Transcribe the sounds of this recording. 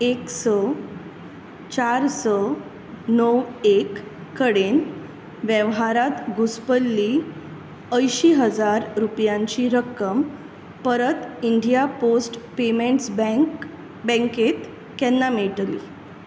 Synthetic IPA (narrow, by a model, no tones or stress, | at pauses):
eksɔ | t͡ɕaɾsɔ | nəwekːəɽen | ʋjəʋɦaɾat̪ɡʱuspəlːi | əjɕiɦəd͡zaɾɾupjãɲt͡ɕiɾəkːəm | pəɾət̪iɳɖijaposʈpemeɳʈsb | bɛ̃ŋket̪ | kɛnːameɭʈlḭ